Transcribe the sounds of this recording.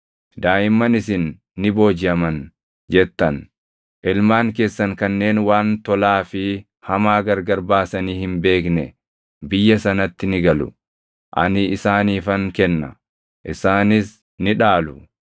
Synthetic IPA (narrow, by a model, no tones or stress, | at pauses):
d̪aːjɪmːɐnɪsɪnː | ɪbo̞ːd͡ʒɪɐmɐn | d͡ʒɛt̪ːɐn | ʔɪlmaːŋke̞ːsːɐŋkɐnːe̞ːnwaːnt̪ɔlaːfɪ | hɐmaːɡɐɾɡɐɾbaːsɐniːhɪmbe̞ːknɛ | bɪjːɐsɐnɐt̪ːɪnɪɡɐlʊ̰ | ʔɐ̰nɪɪsaːniːfɐŋkɛnːɐ̰ | ʔɪsaːnɪs | nɪᶑaːlʊ